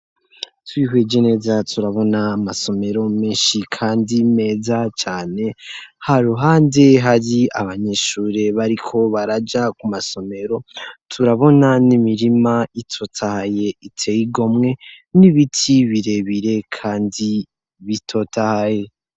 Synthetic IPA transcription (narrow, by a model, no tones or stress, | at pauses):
twiɦwed͡ʒe̞ne̞ːzatʰuɾaβo̞naːmaso̞me̞ɾo̞meːnʃikʰaːndime̞ːzat͡ʃaːne̞haɾuɦaːnde̞ɦaɾiaβaɲe̞ʃuːɾeβaɾikʰo̞βaɾad͡ʒakumaso̞me̞ɾo̞tʰuɾaβo̞nanimiɾimaitʰo̞tʰahaje̞itʰe̞jiɡo̞mŋe̞ | niβitʰiβiɾe̞βiɾe̞kʰaːndi | βitʰo̞tahaje̞